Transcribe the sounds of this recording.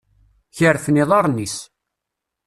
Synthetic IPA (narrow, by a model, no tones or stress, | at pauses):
çəɾθniðˤɑɾˤnis